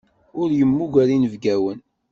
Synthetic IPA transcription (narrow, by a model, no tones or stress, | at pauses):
ʊɾjəmːuʝæɾinəvɡæwən